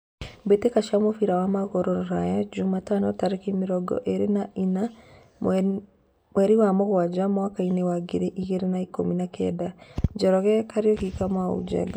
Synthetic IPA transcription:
mbetekaʃamofiɾawamaɣɔɾɔɾɔɾajad͡ʒumatanɔtaɾekimiɾɔɡɔ̰ʔeɾenaina | mwɛɾiwamɔɣwad͡ʒamwakainewaɡiɾeʔiɣeɾenaikominakʰɛ̰dad͡ʒɛɾɔɣɛkaɾjɔkikamwaṵd͡ʒɛ̰ɡɔ

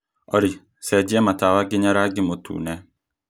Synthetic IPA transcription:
ɔɾi | sɛd͡ʒiɛmatawaɡɪɲaɾaɡimotʰṵːnɛ

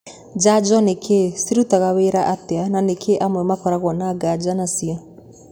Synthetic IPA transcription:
d͡ʒad͡ʒɔnekʰesiɾutaɣaweɾaʔateananekʰeʔamwɛmakɔɾaɣwɔnaɡad͡ʒanasia

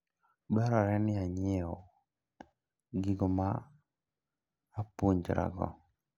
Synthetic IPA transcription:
bɛɾɔɾɛnɪaɲɪɔ | ɡɪɡɔma | puɲd͡ʒɾa̰ɡɔ̰

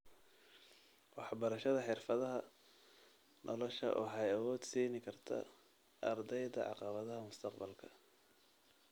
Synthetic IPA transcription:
wɑħbɐɾɐʃɐðɐħɪrfɐðɐɦɐ | nʔɔlɔʃɐ̰ʔɔːħɑjɐwɔːd̪siːnɪkʰɐrt̪ʰɐ̰ | ʔɐrd̪ɛjd̪ɐʕɑ̰qɑβɐðɐɦɐmʊst̪ʰɐqbɐlkʰɐ̥

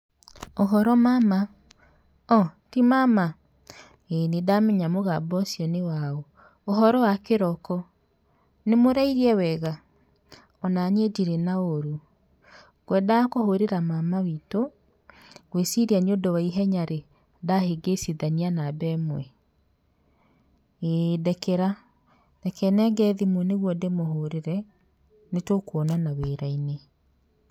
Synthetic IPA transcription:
oɦɔɾɔmama | ɔtimama | enedamɛɲamoɣabɔsjɔnewaɔ | oɦɔɾɔwakeɾɔkɔ | nemoɾaiɾiɛwɛɣa | ɔnanediɾenaoɾu | ɣwɛdakohoɾeɾamamawito | ɣwesiɾiaɲondɔwaiɦɛɲaɾe | daheɡesiðanianabɛmwɛ | edɛkɛɾa | dɛkɛnɛŋɡɛðimwɔneɣwɔdemoɦoɾeɾɛ | netokuɔnanaweɾaine

